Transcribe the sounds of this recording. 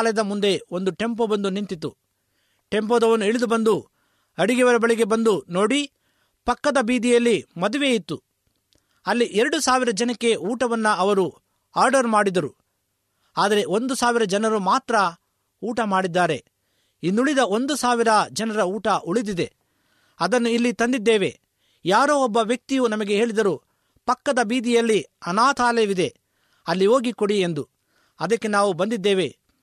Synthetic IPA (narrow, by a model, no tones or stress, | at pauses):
lɐjd̪ɐmund̪e̞o̞nd̪uʈe̞mpoːbɐnd̪unint̪it̪ːu | ʈe̞mp̬oːd̪ɐʋɐnueɭid̪ubɐnd̪u | ɐɽiɡɛʋɐɾɐbɐɭiɡe̞bɐnd̪unoːɽi | pɐkːɐd̪ɐbiːd̪ijɐlːimɐd̪uʋeːjit̪ːu | ɐlːiʔeɾɐɽusaːʋiɾɐd͡ʒɐnɐkːe̞uːʈɐʋɐnːɐɐʋɐɾu | aːɾɖɐɾmaːɽid̪ɐɾu | aːd̪ɐɾe̞o̞nd̪usaːʋiɾɐd͡ʒɐnɐɾumaːt̪ɾɐ | uːʈɐmaːɽid̪ːaːɾe̞ | inːuɭid̪ɐo̞nd̪usaːʋiɾɐd͡ʒɐnɐɾɐuːʈɐʔuɭid̪id̪e̞ | ɐd̪ɐnːuilːit̪ɐnd̪id̪ːeːʋe̞̰ | jaːɾoːɔbːɐʋjɐk̚t̪ijunɐmɐɡe̞ɦe̞ːɭid̪ɐɾu | pɐkːɐd̪ɐbiːd̪ijɐlːiɐnaːt̪ʰaːlɛʋid̪e̞ | ɐlːio̞ːɡikoɽie̞nd̪u | ɐd̪ɐkːe̞naːʋubɐnd̪id̪ːeːʋe̞